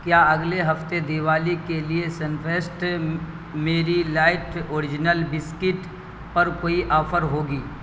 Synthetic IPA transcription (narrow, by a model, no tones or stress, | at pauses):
kjaːɐɡleɦɐft̪ed̪ɪʋaːlikeliesənfʰeːsʈ | meːɾilaːɪʈoːɾɪd͡ʒnəlbɪskɪʈ | pɐɾkoːiʔɔːfʰəɾɦoːɡiː